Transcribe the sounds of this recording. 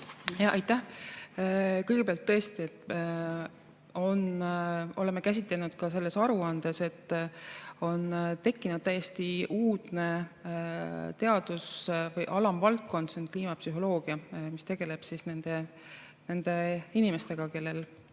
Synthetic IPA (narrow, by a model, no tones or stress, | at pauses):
jɑʔɑjt̪ːæh | kɤjɡ̥e̞peɑlt̪ːɤ̞est̪iet̪ː | o̞no̞le̞mːe̞kæs̬ʲit̪ˑle̞nud̪̥kɑs̬e̞lːe̞sɑɾuɑnd̪̥e̞se̞t̪ː | o̞nt̪e̞kːinud̪̥t̪æjːe̞st̪iuːd̪̥ne̞ | t̪e̞ɑd̪̥usvɤjʔɑlɑmvɑlt̪̚ko̞nd̪̥senkliːmɑpsyɦo̞lo̞ːɡ̥iɑmist̪e̞ɡ̥e̞le̞b̥sisne̞nd̪̥e̞ | ne̞nd̪̥e̞inime̞st̪e̞ɡ̥ɑke̞lːe̞l